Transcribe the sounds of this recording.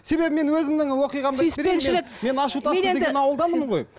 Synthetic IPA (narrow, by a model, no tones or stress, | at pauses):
se̞be̞bɪme̞nwɵzɪmd̪ɪŋwoqijʁɑmd̪jɪseɾeeneɪlɪkme̞nɑʃut̪ɑəened̪ʲenɑwəlˠd̪ɑnəmɴʁo̞j